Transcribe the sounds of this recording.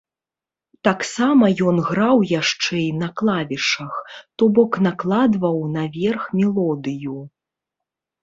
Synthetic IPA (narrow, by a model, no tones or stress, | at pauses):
t̪aksamɐjɔnɣɾawjaʂt͡ʂɛjnɐklˠavʲiʂɐxt̪ɔbɔknaklˠad̪vɐwnɐvʲɛrxmʲɛlˠɔd̪ɨju